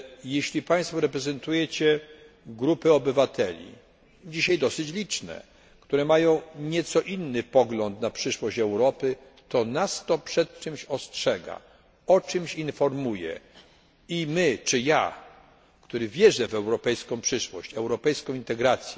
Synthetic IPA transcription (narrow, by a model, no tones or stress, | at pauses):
jeɕlʲipaj̃st̪fɔɾɛpɾɛzɛnt̪ujɛt͡ɕɛ | ɡɾupɘɔbɘvat̪ʰɛlʲḭ | d͡ʑiɕajd̪ɔsɘt͡ɕlʲit͡ʂnɛ̰ | kt̪uɾɛmajɔ̃w̃ɲɛt̪sɔʔinːɘpɔɡlɔnt̪napʂɘʂwɔɕt͡ɕɛwɾɔpɘ | t̪ɔnast̪ɔpʂɛt̪̚t͡ʂɘmɕɔstʂɛɡa̰ | ɔt͡ʂɘmɕinfɔɾmujɛ̰ | imɘt͡ʂɘja | kt̪uɾɘvʲjɛʐɛvɛwɾɔpɛjskɔ̃w̃pʂɘʂwɔɕt͡ɕɛwɾɔpɛjskɔ̃w̃int̪ɛɡɾat̪sʲjɛ